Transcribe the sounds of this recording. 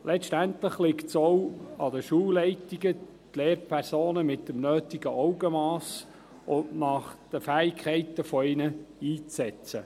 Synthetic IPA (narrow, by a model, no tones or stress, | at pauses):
lɛʃtænt̪ləχlɪktsɔwɑd̪əʃuːwlɛɪtiɡə | tleːɾpʰæɾsoːnəmɪtəmnøːt̪iɡəʔɔwɡəmɑːs | ʊntnɑχd̪̥əfæːɪkʰχɛɪtəfɔɪnəiːt͡sɛt͡sə